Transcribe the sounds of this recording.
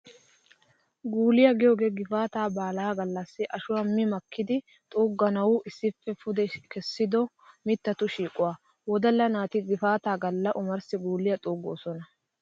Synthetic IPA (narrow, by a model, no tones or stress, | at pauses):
ɡuːlɪjɐɡɪjoːɡe̞ːɡɪfaːt̪aːbaːlaːɡɐlːɐsːɪʔɐʃʊwɐmːɪmɐkʰːɪd̪ɪ | t̪ʼuːɡːɐnɐwʊʔɪsːɪfːɛfʊd̪ɛkɛsːɪd̪ɔ | mɪt̪ːɐt̪ʊʃiːkʼʊwaː | wɔd̪ɐlːɐnaːt̪ɪɡɪfaːt̪aːɡɐlːɐʔʊmɐɾsɪɡuːlːɪjɐt̪ʼuːɡo̰ːsɔnɐ